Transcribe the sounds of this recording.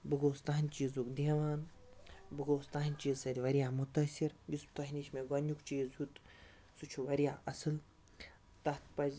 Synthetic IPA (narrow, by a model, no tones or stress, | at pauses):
bɨɡoːst̪aɦnʲt͡ʃiːzukd̪eːʋaːn | bɨɡoːst̪aɦnʲt͡ʃiːzsɐd̪ʲiʋɐɾijaːmut̪ɐsʲiɾjist̪ɐɦnʲiʃmeɡɐnʲjukt͡ʃiːzjut̪ | sut͡ʃʰuʋɐɾijaːʔɐsɨl | t̪ɐht̪pɐzʲ